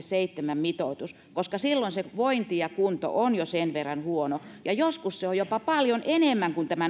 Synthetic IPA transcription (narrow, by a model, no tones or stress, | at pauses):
seit̪ːemæmmit̪oˑt̪us | koskɑsilːoinseʋoint̪ijɑkunt̪o̰ʔonjosenʋerːɑnhuonojɑjoskusseojopɑpɑljonenemːæŋkunt̪æmæ